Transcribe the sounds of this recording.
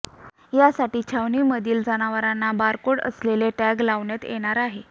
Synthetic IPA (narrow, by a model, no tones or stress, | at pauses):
jasaʈiːt͡ɕʰaʋniːməd̪iːld͡zanaʋəɾanːabaɾkoɽə̰sleleʈæɡlaʋɳjet̪jḛɽ̃aɾaɦe